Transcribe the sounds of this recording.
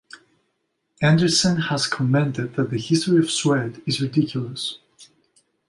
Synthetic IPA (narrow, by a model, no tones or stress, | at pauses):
æ̃ndə˞sə̃nhəz̥kʰəmɛ̃ntɨd̪̚ðɨt̪̚ðɨhɪstəɹiʌv̥swɛdɨzɹɨdɪkʰjl̩ˠəs